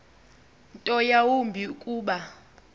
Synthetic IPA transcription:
ntʼɔjawumbʱiukʼuːɓa

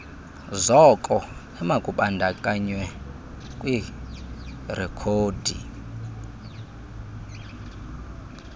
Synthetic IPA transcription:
zɔkʼɔ | ɛmakʼuɓandʱakʼaɲwɛ | kʼwi | rɛkʰoːdʱi

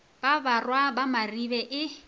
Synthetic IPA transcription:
b̥abarwabamaribɛʔɪ

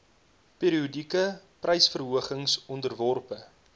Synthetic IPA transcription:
peːɾiudikəprʔɐjsfərɦuəχəŋsɔndərvɔrpə

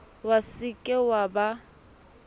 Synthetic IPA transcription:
wasɪkʼɪwaba

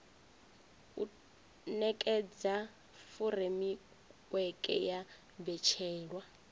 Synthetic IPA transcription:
ṵ | nɛkʼɛd͡za | furemi | wɛkʼɛ̰ja | bɛt͡ʃʰɛːlwa

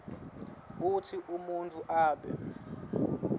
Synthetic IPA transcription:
ɓutʰiʔumuntʼuʔaːɓɛ̰

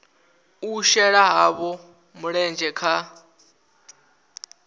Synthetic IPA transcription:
uʃɛɺaɦaβɔ | muɺɛnd͡ʒʱɛkʰa

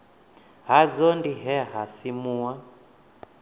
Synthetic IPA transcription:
ɦad͡zɔndiɦɛɦasimuːwa

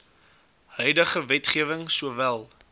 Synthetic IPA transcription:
hœɥdəχəvɛtχiəvəŋsuəvælˠ

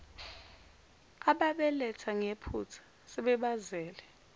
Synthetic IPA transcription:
aɓaɓɛlɛtʰaŋepʰut͡sʰḁ | sɛɓɛɓazɛːlɛ

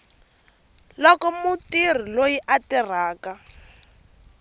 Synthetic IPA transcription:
lɔkɔmutir̤ilojiʔatir̤aːka

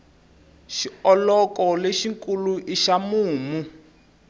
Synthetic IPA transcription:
ʃiɔlɔkɔleʃiŋkʼuluʔiʃamuːmu

